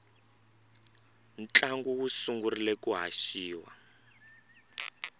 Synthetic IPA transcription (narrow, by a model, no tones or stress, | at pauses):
n̩t͡ɬaŋɡuwusuŋɡurilɛkuɦa̰ʃiːwa̰